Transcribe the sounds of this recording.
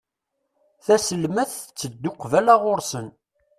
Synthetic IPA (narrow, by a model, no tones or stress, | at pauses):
θæsəlmæθt͡sːəd̪ːʊqvælaʁʊɾsən